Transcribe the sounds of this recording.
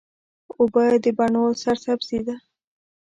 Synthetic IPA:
obad̪əbaɳosaɾsabsid̪a

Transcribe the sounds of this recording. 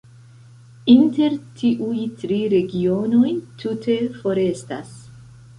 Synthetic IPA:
int̪eɾt̪ʰiʔujt̪ɾiɾeɡionojt̪ʰut̪ʰefoɾest̪a̰s

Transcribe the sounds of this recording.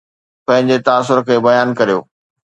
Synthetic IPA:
pɐ̃ɦɪ̃ɲd͡ʑet̪aːs̬ːʊɾkʰeːbɐjaːnkɐɾijo̰ː

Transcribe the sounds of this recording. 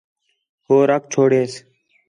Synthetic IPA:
hoːɾək̚t͡ʃʰoːɽeːs

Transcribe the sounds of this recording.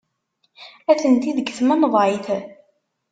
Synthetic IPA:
æθənt̪iðəɡθmænəðˤʕiθ

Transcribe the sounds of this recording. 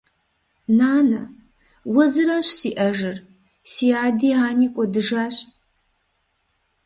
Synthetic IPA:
naːnɐ | wɐzɨɾɐɕsiːʔɐʒɨr | siːaːdiːaːniːkʷʼɔdɨʒaːɕʼ

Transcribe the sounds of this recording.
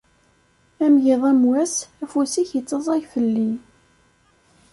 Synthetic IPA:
æmʝɪðˤæmwæsæfusiçjət͡sːɑzˤæjfəlːi

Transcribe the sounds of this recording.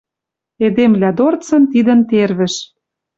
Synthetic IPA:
ed̪emlʲæd̪ort͡sɤ̆nt̪id̪ə̆nt̪erβɘ̆ʃ

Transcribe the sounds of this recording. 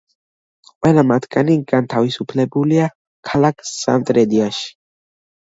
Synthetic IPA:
qʼwɛlamat̪ʰɡaniɡant̪ʰavisupʰlɛbulia | kʰalakʰsa̰nt̪ʼɾɛd̪iaʃi̥

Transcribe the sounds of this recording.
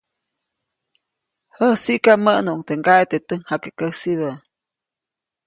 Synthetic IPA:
həhsiʔkaməʔnuʔŋt̪eŋɡaet̪et̪əŋhakəkəhsiβə

